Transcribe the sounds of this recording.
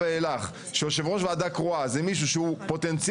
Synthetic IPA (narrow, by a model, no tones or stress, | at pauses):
eelaχ | ʃeoʃ̬evʁoʃvead̪akʁoazemiʃ̬uʃeupo̞t̪ent͡sj